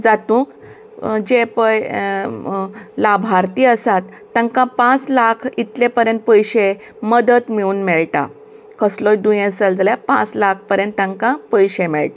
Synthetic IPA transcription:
d͡zat̪ũːk | d͡ʑepəj | labʱaɾt̪iːəsat̪ːãŋkãpãt͡slakʰit̪lepəɾjə̃nt̪̚pəjɕe | məd̪ət̪miuːnmɛɭʈa̰ | kəslɔjd̪ũjẽsəld͡zaljapã̰t͡slak̚ʰpəɾjə̃nt̪ːãŋkãpəjɕẽmɛɭʈ̪a

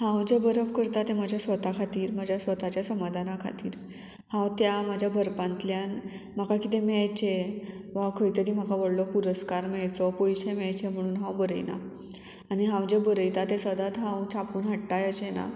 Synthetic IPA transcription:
hãwd͡ʑebəɾəʋkəɾt̪at̪ẽm̤ad͡ʑʱjasʋət̪akʰat̪iːɾm̤ad͡ʑʱjasʋət̪at͡ɕjasəmad̪ʱanakʰa̰t̪ḭːɾ | hãwt̪jamad͡ʑʱjabʱəɾpãnt̪ljan | makakit̪emɛjt͡ɕe | ʋakʰəjt̪əɾiːm̤akaʋəɽlɔpuɾəskaɾmɛɭt͡sɔpɔjɕemɛjt͡ɕem̤əɽ̃uːnɦãwbəɾəjna̰ | aɽ̃iɦãwd͡ʑebəɾəjt̪at̪ẽsəd̪ʱat̪ɦãwt͡ɕʰapuːnɦəʈt̪ajəɕena̰

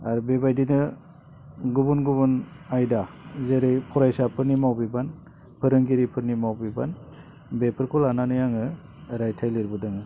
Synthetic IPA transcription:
aɾbebajdinɯ | ɡubunɡubunajdazeɾejpʰɔɾajsapʰɯɾnimawbiban | pʰɯɾɯŋɡiɾipʰɯɾnimawbiba̰n | bepʰɯɾkʰɔlananɯjaŋɯ | ɾajtʰajliɾbɯdɯŋɯ

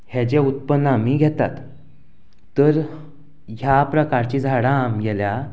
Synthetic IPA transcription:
hɛd͡ʑẽut̪̚pənːamiːɡʱɛt̪at̪ | əɾ | ɦjapɾəkaɾt͡ɕid͡zʱaɽãmɡɛlja

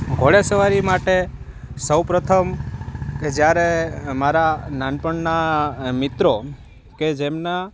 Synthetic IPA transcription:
ɡʱoɭesəʋaɾimaʈe | səwpɾət̪ʰəmked͡ʒjaɾemaɾananpəɳnamɪt̪ɾo | ked͡ʒemna

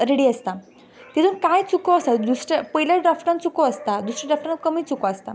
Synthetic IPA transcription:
ɾeɽiːəst̪a | t̪it̪ʰũnkajt͡sukoəst̪ad̪usɾəpəɦilaɖɾafʈãnt͡sukoəst̪ad̪usɾəɖɾafʈãnkəmiːt͡sukoəst̪a

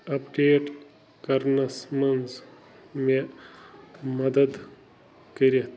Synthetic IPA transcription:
ɐpɖeːʈ | kɐɾnɐsmɐnz | me | mɐd̪ɐd̪ | kəɾɐt̪

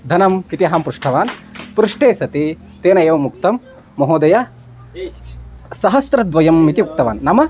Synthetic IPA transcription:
d̪ʱɐnɐmpit̪iɐɦaːmpɾuʂʈʰɐʋaːnpɾuʂʈeːsɐt̪i | t̪eːnɐjeːʋɐmukt̪ɐmː | ɐɦoːd̪ɐja | sɐɦɐsɾɐd̪ʋɐjɐmːit̪iuk̚t̪ɐʋaːnːɐmɐ

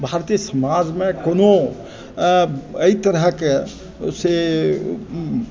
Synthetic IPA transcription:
bʱaɾt̪isəmad͡ʒmẽkono | əit̪əɾɦəke | se

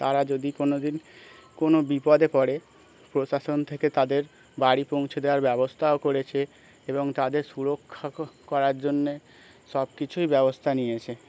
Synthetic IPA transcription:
t̪aɾad͡ʑod̪ikonod̪inkonobipɔd̪epɔɽe | pɾoʃaʃont̪ʰeket̪ad̪eɾ | baɽipoŋt͡ɕʰed̪eoaɾbɛbost̪ʰaokoɾet͡ɕʰe | eboŋt̪ad̪eɾʃuɾokʰːakɔɾaɾd͡ʑonːe | ʃɔb̚kit͡ɕʰujbɛbost̪ʰaniet͡ɕʰe

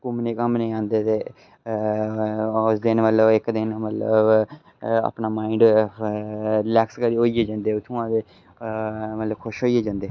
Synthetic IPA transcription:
kʊmneːkəmnĩːãːnd̪eːt̪eː | ʊsd̪ɪnmət̪ləbɪkd̪ɪnmət̪lə̰b | a̰ːpnaːmaːiɳɖ | ɾɪlɛːkskəɾiːoːieːd͡ʒãːnd̪eːʊt̪ʰũãːd̪eː | mət̪ləbkʰʊʃɦoːieːd͡ʒãːnd̪eː

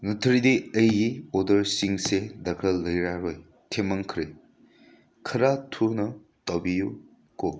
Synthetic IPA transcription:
nutʰɾidiəjɡiodəɾsiŋsedɐkʰɾɐlːɐjɾaɾoj | tʰemaŋkʰɾe | kʰəɾatʰunɐ | tɔbiju | ko

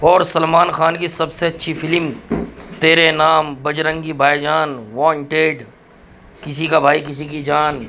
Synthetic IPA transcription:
ɔːɾsɐlmaːnxaːnkisɐbseɐtːʃʰifɪlmt̪eːɾenaːmbɐd͡ʒɾə̃ŋɡibʱaːjd͡ʒaːnʋãːɳʈeːɖ | kɪsikabʱaːik̬ɪsikid͡ʒaːn

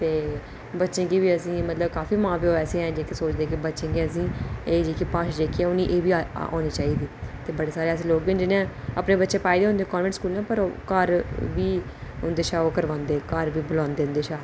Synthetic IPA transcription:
t̪eː | bətːʃẽːɡiːʋiːəsĩːmət̪ləbkaːfiːmãːpioɛːsẽːɛ̃ːd͡ʒeːkisoːt͡ʃd̪eːkibətːʃẽːɡiəsĩːeːd͡ʒeːkipãːʃd͡ʒeːkiɛːʊniːʔeːʋiːao̰ːniːt͡ʃaːiːd̪iːt̪eːbəɽeːsaːɾeːəsĩːloːkbɪnd͡ʒɪnãːəpneːbətːʃẽːpaːiːd̪eːʊ̃nd̪eːkɔːɾmẽɳʈskuːlnãːpəɾokəɾʋiːʊnd̪eːʃaːoːkəɾʋãːnd̪eːkəɾʋiːbʊlãːnd̪eːʊnd̪eːʃaː

